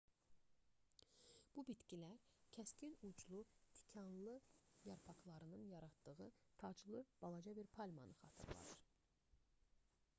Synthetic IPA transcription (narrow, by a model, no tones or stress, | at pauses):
b̥ubit̪cʲilæɾcʰæscʲinud͡ʒlˠut̪ʰi̥cʰɑnlˠɯjɑɾpʰɑkʰlˠɑɾɯnɯnjɑɾɑt̪d̪ɯɣɯt̪ʰɑd͡ʒlˠɯb̥ɑlˠɑd͡ʒɑbiɾpʰɑlʲmɑ̰nɯχɑ̰t̪ʰɯ̰ɾlˠɑ̰d̪ɯɾ